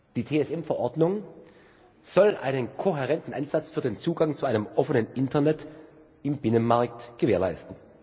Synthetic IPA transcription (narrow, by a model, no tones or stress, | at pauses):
d̥iːtʰeːɛsɛmfɛɐʔɔɐdnʊŋ | z̥ɔlʔa̰ɪnənkʰoɦɛʁɛntn̩ʔa̰ɪnzat͡sfyːɐdeːnt͡suːɡaŋt͡suʔaɪnəmʔɔfənənʔɪntʰɐnɛt | ɪmbɪnənmaɐktɡ̥əveːɐla̰ɪstn̩